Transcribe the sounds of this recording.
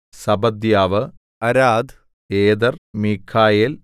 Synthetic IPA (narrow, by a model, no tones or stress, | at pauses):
sɐbɐd̪jaːʋɨ | ɐɾaːd̪ | eːd̪ɐrmikʰaːjel